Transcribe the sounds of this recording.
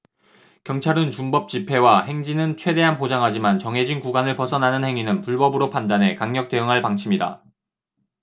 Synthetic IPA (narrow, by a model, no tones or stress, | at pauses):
kjʌŋt͡ɕʰaɾɯnt͡ɕumbʌp̚t͡ɕ͈ipʰe̞wahe̞ŋd͡ʑinɯnt͡ɕʰwe̞de̞ɦanpod͡ʑaŋɦad͡ʑimant͡ɕʌŋɦe̞d͡ʑinkuɡwanɯɭpʌsʰʌnɦanɯnhe̞ŋinɯnpuɭbʌbɯɾopʰandanɦe̞kaŋɲʌk̚t͈e̞ɯŋɦaɭpaŋt͡ɕʰimida̰